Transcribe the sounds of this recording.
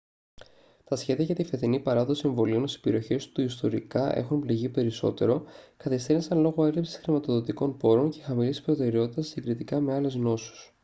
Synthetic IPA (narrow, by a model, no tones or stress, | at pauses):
t̪ɐsçe̞ðiɐʝɐt̪ifeθinipɐɾɐðo̞sie̞ɱvo̞lionosi̥spe̞ɾio̞çe̞st̪uist̪o̞ɾikɐʔe̞̰xunpliʝipe̞ɾiso̞t̪e̞ɾo̞kɐθest̪eɾinsɐnlo̞ɣo̞e̞lipsi̥sxɾimɐt̪o̞ðo̞t̪iko̞npo̞ɾo̞nce̞xɐmilispɾo̞t̪e̞ɾeo̞t̪it̪ɐsiɡɾit̪ikɐme̞ɐle̞zno̞su̥s